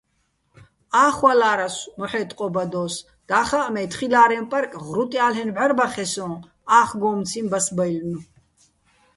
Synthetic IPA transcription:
aːχwalaːɾasmɔħɛːt̪ʼqʼɔbad̪ɔːs | d̪̥aːχaʔmɛt̪χilaːɾɛmpʼaɾkʼʁɾut̪ʼialɦɛnʕʷaɾbaχɛsɔ̃ː | aːχɡɔːmt͡sʰimbasbajlnu

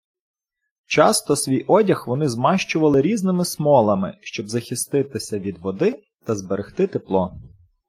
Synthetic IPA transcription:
t͡ʃɑst̪ɔsʲʋʲijʔɔdʲɐxʋɔnɪzmɑʃt͡ʃʊʋɐlˠɪɾʲiznɪmɪsmɔlˠɐmɪ̰ʃt͡ʃɔbzɐxʲist̪ɪt̪ɪsʲɐʋʲid̪ʋɔd̪ɪ | t̪ɐzbeɾext̪ɪt̪ɪplˠɔ

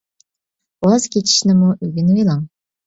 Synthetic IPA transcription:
oz̥kʲʰet͡ʃʰi̥ʃnɪmuʔyɡʲinwelˠɑŋ

